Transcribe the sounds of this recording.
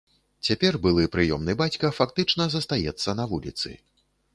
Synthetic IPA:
t͡sʲapʲɛrbɨlˠɨpɾɨjɔmnɨbat͡sʲkɐfakt̪ɨt͡ʂnɐzɐst̪ajɛt̪sːɐnɐvulʲit̪sɨ̰

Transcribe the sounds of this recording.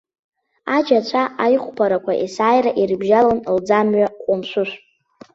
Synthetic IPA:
ad͡ʒat͡ʃʷʰaʔajχʷpʰaɾakʷʰaʔisaːjraʔirbʒalanld͡zamɥaqʷʼʊmʃʷʊʃʷʼ

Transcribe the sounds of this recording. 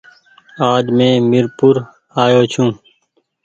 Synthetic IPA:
aːɖmẽːmɪɾpʊɾ | aːjoːt͡ʃʰũː

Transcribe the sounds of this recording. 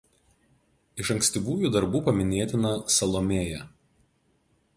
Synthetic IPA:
ɪʃɐ̃ŋkʲsʲt̪ʲiʋuːjuːˑd̪ɐɾbuːpɐmʲɪnʲeːt̪ʲɪnɐsɐlˠɔmʲeːjɛ

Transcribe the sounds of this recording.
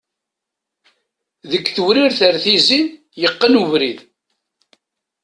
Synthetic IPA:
ðəkːθəwɾiɾθəɾθizin | jəqːənuvɾið

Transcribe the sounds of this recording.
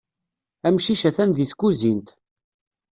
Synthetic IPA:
æmʃiʃæθænðiθkːuzint̪

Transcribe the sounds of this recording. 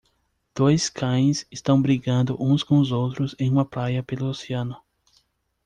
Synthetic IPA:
d̪̥ojskʰɐ̃j̃sɪst̪ɐ̃w̃bɾiɡɐ̃nd̪ʊʔũskõʊzowt̪ɾʊzẽj̃ũmɐpɾajɐpelʊoseɐ̃nʊ

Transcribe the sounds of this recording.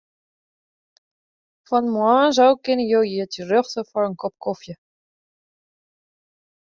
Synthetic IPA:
fɔnmwɑ̃ːzɔwkɪnəjowjiətirøxtəfɔrənkɔp̚kɔfjə

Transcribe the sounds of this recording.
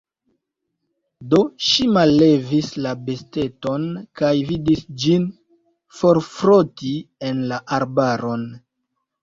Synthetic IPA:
do̞ʃimalːe̞vislabe̞ste̞to̞nkajvidisd͡ʒin | fo̞ɾfɾotie̞nlaʔaɾbaɾo̞n

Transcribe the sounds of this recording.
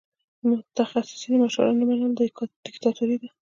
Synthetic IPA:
mʊt̪axasɪ̥sinəmaʃʊ̰ɾa̰namanɑld̪d̪̥ɪkt̪ɑt̪uɾid̪a

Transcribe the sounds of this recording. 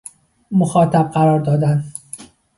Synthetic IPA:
moxɒːt̪ʰæb̚ɢæɾɒːɾd̪ɒːd̪æn

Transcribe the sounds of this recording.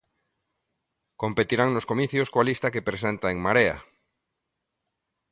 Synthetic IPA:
kompet̪iɾaŋnoskomiθjoskoalist̪akepɾes̬ent̪aeŋmaɾea̰

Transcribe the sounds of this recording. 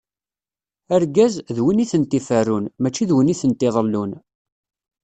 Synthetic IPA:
æɾɡæzðwiniθənt̪ːifærːunmæt͡ʃːiðwəniθənt̪ɪðˤəlːun

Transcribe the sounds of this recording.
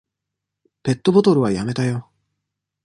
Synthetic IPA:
pe̞t̪ːo̞bo̞t̪o̞ɾɯ̟βajame̞t̪ajo̞

